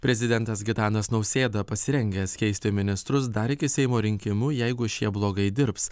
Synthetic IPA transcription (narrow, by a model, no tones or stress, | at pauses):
pʲɾʲɛzʲɪd̪ʲɛnt̪ɐsɡʲɪt̪ɑːnɐsnɒʊsʲeːd̪ɐpɐsʲɪɾʲɛŋʲɡʲeːskʲɛɪsʲt̪ʲɪmʲɪnʲɪst̪ɾʊsd̪ɐɾɪkʲɪsʲɛɪmoːɾʲɪŋʲkʲɪmʊjɛɪɡʊʃʲiɛblˠoːɡɐɪd̪ʲɪɾps